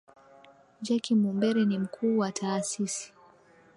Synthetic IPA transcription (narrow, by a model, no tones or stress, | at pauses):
d͡ʒakimumbɛɾɛnim̩kʰuːwatʰaːsisi̥